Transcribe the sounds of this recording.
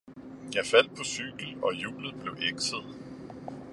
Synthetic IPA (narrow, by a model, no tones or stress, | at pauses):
jɑ̈ɪfæl̰d̥̚pʰɒ̽syɡ̥l̩ɒ̽jṵːlð̩ˠb̥le̝ʊʔeɡ̥səðˠ